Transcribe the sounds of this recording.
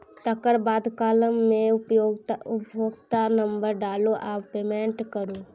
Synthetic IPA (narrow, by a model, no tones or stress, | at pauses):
t̪əkəɾbaːd̪kaːləmːẽʊpoɡʊpjoːɡt̪anə̃mbəɾɖaːloʔaːpeːmẽːɳʈkəɾũː